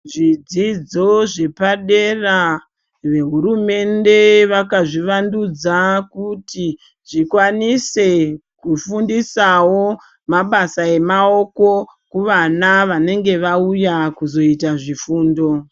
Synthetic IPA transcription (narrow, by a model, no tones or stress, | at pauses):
ʐid͡zid͡zo̞ʐe̞paɗera | ʋe̞ɦuɾume̞nde̞ʋakaʐiʋandud͡zakuti | ʐikwanise̞kufundisawo̞ | maɓasae̞mao̞ko̞ | kuʋanaʋane̞ŋɡe̞ʋaujakuzo̞itaʐifuːndo̞